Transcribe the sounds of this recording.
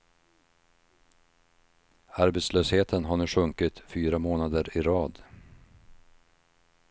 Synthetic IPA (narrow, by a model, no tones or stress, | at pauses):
aɾbet̪sløːsheːt̪ʰənɦaɳʉːɧɵŋkɪt̪fyːɾamoːnad̪əɾɪɾɑːd̪